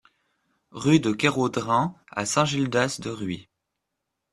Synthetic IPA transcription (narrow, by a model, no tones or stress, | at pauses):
ʁyd̪əkʲeʁod̪ʁɛ̃a̰sɛ̃ʒild̪asd̪əʁɥi